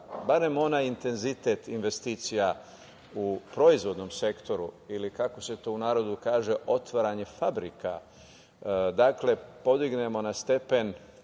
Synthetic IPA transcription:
baɾe̞mo̞najint̪e̞nzit̪e̞t̪inʋe̞st̪iːt̪sija | upɾo̞izʋo̞d̪no̞mse̞kt̪o̞ɾṵilikako̞se̞t̪o̞unaːɾo̞d̪ukaːʒe̞ʔo̞t̪ʋaɾaɲe̞fabɾika̰ | d̪akle̞po̞d̪iɡne̞mo̞nast̪e̞pe̞n

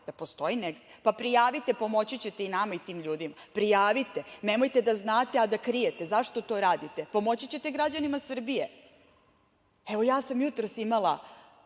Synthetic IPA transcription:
d̪̥apo̞st̪o̞ineɡd̪epapɾijaːʋit̪e̞po̞mo̞t͡ɕit͡ɕe̞t̪einamait̪iːmʎuːd̪imapɾijaːʋit̪ene̞mo̞jt̪ed̪aznaːt̪e̞ad̪akɾijet̪e̞zaʃt̪ot̪o̞ːɾaːd̪it̪epo̞mo̞t͡ɕit͡ɕe̞t̪eɡɾad͡ʑanimasr̩bije | eʋo̞jaːsamjut̪ɾo̞simala

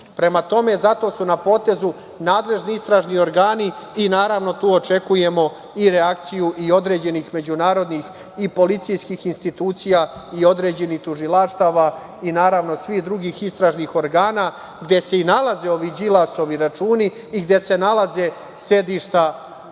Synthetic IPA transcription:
pɾe̞mat̪o̞me̞zat̪o̞sunapo̞ːt̪e̞zu | naːd̪le̞ʒniist̪ɾaːʒnio̞ɾɡaːniːnaːɾaʋno̞t̪uːo̞t͡ʃe̞kuje̞mo̞ | iɾeakt̪sijuʔio̞d̪ɾe̞ːd͡ʑe̞nixme̞d͡ʑunaːɾo̞d̪nix | ipo̞lit̪sijskixinst̪it̪uːt̪sijaio̞d̪ɾe̞ːd͡ʑe̞nixt̪uʒilaʃt̪aːʋa | inaːɾaʋno̞sʋixd̪ɾuɡiːxist̪ɾaːʒnixo̞ɾɡaːna | ɡd̪e̞se̞inalˠaze̞o̞ʋid͡ʑilˠaso̞ʋiɾat͡ʃuːniː | ɡd̪e̞se̞nalaze̞ | se̞d̪iʃt̪a

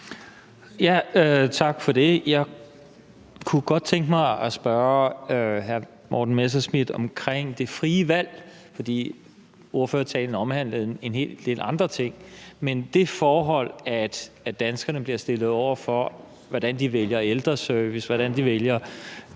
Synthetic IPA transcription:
jæøt͡sʰɑ̈ɡ̥fɒ̽d̥e̝jɑ̈ɪ | kʰuɡ̥ɒ̽d̥̚t͡sʰeŋɡ̥mɑ̈ɪɒsb̥ɶɐøɦæɐ | mʔɒ̰ːd̥n̩mes̬æsmið̥ˠɒ̽mkʰʁeŋ̰d̥e̝fʁiːəʋæl̰ | fɒ̽d̥ḭː | o̝ɐføːɐt͡sʰɛ̰ːln̩əɒ̽mhæn̰ləð̩ˠne̝nɦe̝̰ːld̥e̝lɑ̈nd̥ʁɐt͡sʰe̝ŋ̰mend̥e̝fɒːɦɒ̽l̰æd̥ | æd̥ænsɡ̥ɐnəb̥liɐsd̥e̝lð̞̩ˠɒʊ̰ɐfɒ̽ | ʋɒd̥ænd̥iʋeljɐeld̥ʁɐsøɐʋisʋɒɾ̥ænd̥iʋeljɐ

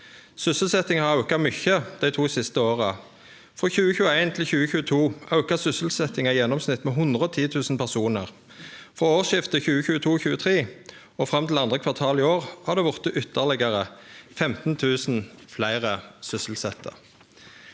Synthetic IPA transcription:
sʏsəl̩sɛt̪ɪŋhɑʁɑʉkɑmʏçəd̪̥æɪt̪ʰuːsɪst̪əoːʁə | fɔçʉːəçʉːəæɪnt̪ʰɪlçʉːəçʉːət̪ʰuːʔɑʉkɑsʏsəl̩sɛt̪ɪŋɑjɛnːɔmsnɪt̪ːmɛːɦʊnd̪ʁəɔt̪ʰiːt̪ʰʉːsn̩pʰæʁsuːnəʁ | fʁɔoːʋʃɪft̪əçʉːəçʉːət̪ʰuːçʉːət̪ʰʁeː | ɔfʁɑmt̪ʰɪlɑnd̪ʁəkʰʋɑʁt̪ʰɑːlɪoːʁhɑd̪eːʋʊʁt̪əʔʏt̪ʰːəʁlɪɡəʁəfɛmt̪n̩t̪ʰʉːsn̩flæɪʁəsʏsəlsɛt̪ʰə̰

